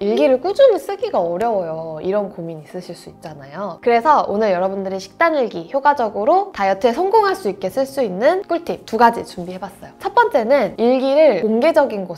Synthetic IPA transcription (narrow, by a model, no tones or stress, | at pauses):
iɭɡiɾɯɭk͈ud͡ʑumis͈ɯɡiɡaʌɾjʌwʌjoiɾʌnkomiɲis͈ɯɕʰiɭs͈uit̚t͡ɕ͈anajokɯɾe̞sʰʌonɯɭjʌɾʌbundɯɾiɕʰi̥k̚t͈aniɭɡiçjoɡad͡ʑʌɡɯɾotajʌtʰesʰʌŋɡoŋɦaɭs͈uik̚k͈e̞s͈ɯɭs͈uinːɯnk͈uɭtʰip̚tuɡad͡ʑit͡ɕumbiɦe̞bas͈ʌjot͡ɕʰʌp͈ʌnt͡ɕ͈e̞nɯniɭɡiɾɯɭkoŋɡe̞d͡ʑʌɡinɡo